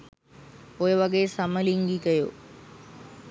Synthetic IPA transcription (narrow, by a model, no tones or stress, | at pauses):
ojeʋɐɡesɐmɐliŋɡikɐjo̰ː